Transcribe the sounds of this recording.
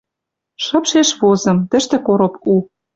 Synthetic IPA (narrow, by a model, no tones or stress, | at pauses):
ʃɤ̆pʃeʃβozɤ̆mt̪ə̆ʃt̪ĕkoɾŏpu